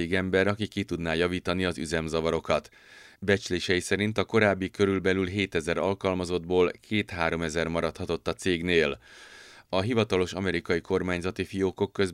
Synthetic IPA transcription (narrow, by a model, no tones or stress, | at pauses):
eːɡɛmbɛɾɒkikːit̪ud̪naːjɒviːt̪ɒniɒzyzɛmzɒvɒɾo̞kɒt̪ | bɛt͡ʃleːʃɛjisɛɾint̪ɒko̞ɾaːbːikø̞ɾylbɛlylɦeːt̪ɛzɛɾɒlkɒlmɒzo̞d̪boːlkʰeːt̪haːɾo̞mɛzɛrmɒɾɒt̪hɒt̪o̞t̪ːɒt̪seːɡneːl | ɒɦivɒt̪ɒlo̞ʃɒmɛɾikɒjiko̞rmaːɲzɒt̪ifijoːko̞kːø̞z